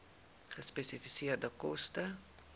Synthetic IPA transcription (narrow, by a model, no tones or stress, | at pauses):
χəspesifisiərdəkɔstə